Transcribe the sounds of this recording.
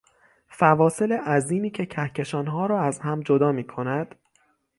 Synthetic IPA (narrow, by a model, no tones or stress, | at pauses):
fævɒːse̞leʔæziːmiːcʰe̞cʰæhcʰe̞ʃɒːnɦɒːɾɒːæzhæmd͡ʒo̞d̪ɒːmiːkʰo̞næd̪̥